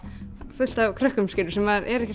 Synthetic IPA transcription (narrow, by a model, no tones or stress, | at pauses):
fʏl̥t̪avkʰɾœhkʏmskcɪɾʏsɛmaɾʔɛɾɛhcɪ